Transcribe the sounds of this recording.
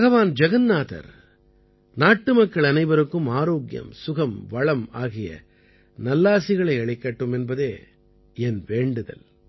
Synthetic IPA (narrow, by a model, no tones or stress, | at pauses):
bɐɣɐʋaːnd͡ʒɐɣɐnːaːðɐ̰ɾ | naːʈːɯmɐkːɐɭɐnɐɪʋɐɾɯkːɯmaːɾoːɡjɐ̰msʊɣɐmʋɐɭɐmaːɣɪjɐ̰ | nɐlːaːsɪɣɐɭɐɪɐɭɪkːaːʈːɯmɛnbɐðeː | ɛnʋeːɳɖɯðɐ̰l